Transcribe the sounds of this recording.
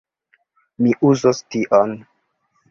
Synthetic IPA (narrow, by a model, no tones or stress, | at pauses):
miʔuzostiʔon